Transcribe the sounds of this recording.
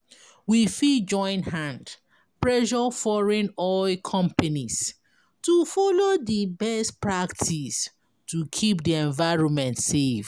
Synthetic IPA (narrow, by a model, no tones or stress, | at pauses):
wifid͡ʒɔ̃ɪ̃nthãnd | pɹɛʃɔfɔɹɛ̃nɔɪkʰɔ̃mpanis | tufɔlodibɛstpɹaktʰis | tukʰipdiɛ̃ɱvaɪɹɔ̃nmɛ̃ntsev